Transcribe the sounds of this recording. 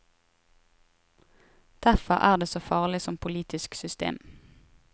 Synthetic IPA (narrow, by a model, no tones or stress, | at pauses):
d̪̥æfɔʁʔæːʁd̪eːsoːfɑːʁlɪsɔmpʰʊliːt̪ɪsksʏst̪ḛːm